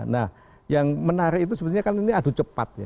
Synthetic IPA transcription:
nah | jaŋmənaɾɪit̪̬usəbət̪uɲakaniniadṳt͡ʃəpa̰t̪̚ja̰

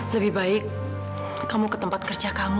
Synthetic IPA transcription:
ləbihbaɪk̚ː | amukə̥t̪əmpat̪̚kərd͡ʒakam

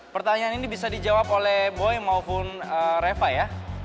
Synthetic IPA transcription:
pərt̪aɲaːninibisadid͡ʒawapolɛhboɛmaupʊnəɾefaja

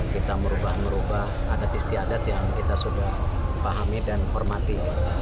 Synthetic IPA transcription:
kit̪aməɾubahməɾubah | adat̪ist̪iadat̪̚jaŋkit̪asudahpaɦamidanhɔrmat̪iɡ̪

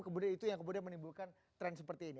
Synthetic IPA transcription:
kəmudianit̪ujaŋkəmudianmənibulkan | t̪ɾɛnsəpərt̪iːni

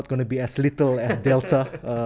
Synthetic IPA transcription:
t̚ɡ̥õnubiɛslitəlɛsdɛltʰə

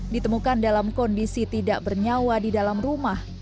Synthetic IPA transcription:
dit̪əmukandalamkɔndisit̪idaʔbərɲawadidalamrumah

